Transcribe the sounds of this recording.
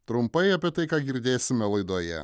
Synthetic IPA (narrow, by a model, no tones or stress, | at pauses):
t̪ɾʊmpɐɪɐpʲiɛt̪ɐɪkaːɡʲɪɾʲd̪ʲeːsʲɪmʲɛlˠɐɪd̪oːjɛ̰